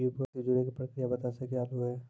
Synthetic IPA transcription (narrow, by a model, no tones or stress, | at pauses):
upət̪id͡ʒʊɽekipɾəkɾijabɐt̪asekejaːluɦɛː